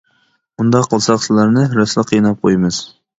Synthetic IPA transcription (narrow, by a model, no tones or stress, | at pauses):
und̪ɑqʰːəlˠsɑqsɨlˠɑɾnɨɾɛslˠəqʰːijnɑp̚qʰojmɨz̥